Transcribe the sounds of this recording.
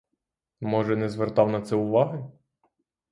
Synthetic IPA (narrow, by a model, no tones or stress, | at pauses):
mɔʒɛnɛzʋert̪ɑwnɐt̪sɛʊʋɑɦɪ